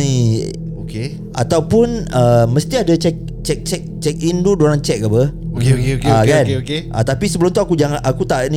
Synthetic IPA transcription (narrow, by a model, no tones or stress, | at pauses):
ni | oke | ʔat̪awpunəmə̃st̪iadat͡ʃɛk̚ | t͡ʃɛk̚t͡ʃɛk̚t͡ʃɛk̚indudoɾaŋt͡ʃɛk̚abə | okeokeoeakkaneokeʔa̰t̪apisəbəlumt̪uakud͡ʒaŋaʔakut̪aʔnĩ